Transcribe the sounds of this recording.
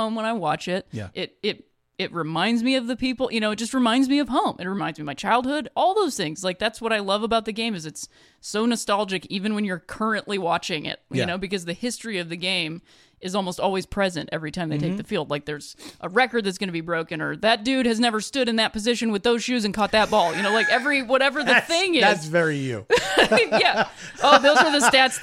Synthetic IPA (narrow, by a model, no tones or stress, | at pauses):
õʊ̃mwə̃ñaɪwɑt͡ʃɪt̚ʔɪɾɪɾ | ɪt̚ɹɨmãɪ̃ndzmiʌvðɨpʰipl̩ˠjɨnoʊɨt̚d̥ʒ̥ʌst̚ɹɨmãɪ̃ndzmiʌv̥ɦõʊ̃mʔɨ̰t̚ɹɨmãɪ̃nzmiʌvmaɪt͡ʃʰaɪlˠd̚hʊɾɔlˠðoʊz̥θɪ̃ŋz̥laɪk̚ðætswʌɾaɪlʌvəbaʊt̪̚ðɨɡẽɪ̃mɨzɨts | oʊnɨstælˠd͡ʒɨkivɨ̃nwɨ̃njə˞kʰɜ˞ɨ̃nʔliwɑt͡ʃɪ̃ŋɪ̰t̚jɨñoʊbɨkʌzðɨhɪstɹ̥iʌvðɨɡẽɪ̃m | ɨzɔlˠmoʊstɔlˠwiz̥pʰɹ̥ɛzɨ̃ntɛvɹitʰãɪ̃mðeɪtʰeɪk̚ðɨfilˠd̥̚ˡlaɪk̚ðə˞z̥ʔəɹɛkə˞d̪̚ðɨtsɡ̥ʌñɨbibɹoʊkɨ̃nə̰˞ðɨt̚d̥ʉd̚ɨznɛvə˞stʊɾɨ̃nðɨt̚pɨzɪʃɨ̃nwɨðoʊz̥ʃʉzɨ̃nkʰɔt̪̚ðɨt̚b̥ɔlˠjɨñoʊlaɪkɛvɹiwʌɾɛvə˞ððɨθɪ̃ŋɪæsvɛɹijʉ̰ajæ | oʊðoʊzwə˞ðɨstæts